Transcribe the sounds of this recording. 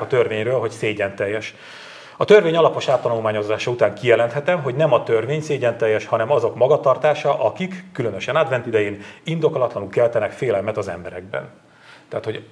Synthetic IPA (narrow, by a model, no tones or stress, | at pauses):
kɒt̪ørveːɲrøːlɦo̞cseːɟɛnt̪ɛjːɛʃ | ɒt̪ørveːɲɒlɒpo̞ʃaːt̪ːɒnulmaːɲo̞zaːʃɒut̪aːŋkijɛlɛnt̪hɛt̪ɛmɦo̞ɟnɛmɒt̪ørveːɲseːɟɛnt̪ɛjːɛʃhɒnɛmɒzo̞kmɒɡɒt̪ɒrt̪aːʃɒʔɒkikːylønøʃɛnaːd̪vɛnt̪id̪ɛjeːnind̪o̞kolɒt̪lɒnulkɛlt̪ɛnɛkfeːlɛlmɛt̪ɒzɛ̰mbɛɾɛ̰ɡ̚bɛ̰n | t̪ɛːt̪ho̞ɟ